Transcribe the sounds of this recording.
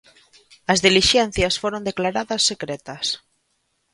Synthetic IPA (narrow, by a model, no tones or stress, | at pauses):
ɐzðiliʃɛn̟θjasfoɾond̪eklaɾaðɐsːekɾɛt̪ɐs